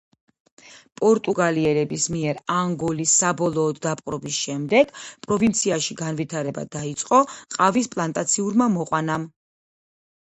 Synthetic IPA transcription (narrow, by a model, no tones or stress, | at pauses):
pʼɔɾt̪ʼuɡaliɛɾɛbismiɛɾaŋɡɔlisːabɔlˠɔːd̪ːapʼqʼɾɔbisʃɛmd̪ɛɡ̥pʼɾɔvint̪sʰiaʃiɡanvit̪ʰaɾɛba̰d̪̥ait̪sʼqʼɔqʼavispʼlˠant̪ʼat̪sʰiuɾmamɔqʼwanam